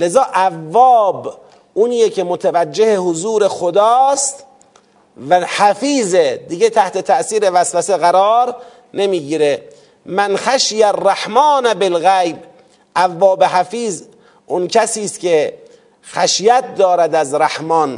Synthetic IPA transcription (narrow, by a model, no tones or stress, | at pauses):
lezɒːʔævːɒːb | ʔunijekʰemot̪ʰavæd͡ʒːehehozuːɾexod̪ɒːst̪ | væhæfiːzed̪iɡet̪ʰæht̪e̞t̪ʰæʔsiːɾe̞væsvæseɣæɾɒːɾ | ne̞miːɡiːɾe | mænxæʃjærːæħmɑːnæbelɣæjb | ʔævːɒːbeɦæfiːz | ʔʊnkʰæsiːst̪ke | xæʃjæt̪̚d̪ɒːɾæd̪æzɾæhmɒːn